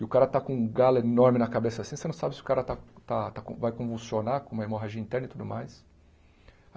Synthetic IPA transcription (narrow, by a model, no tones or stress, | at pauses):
ɪʊkaɾɐt̪akõũɡalɐenoɾmɪnɐkabesɐasĩsenɐ̃w̃sabɪsɪʊ̥kaɾɐt̪at̪at̪akõvajkõvulsionakõmɐemoɦaʒĩɐĩnt̪ɛɾnɐit̪ud̪ʊmajs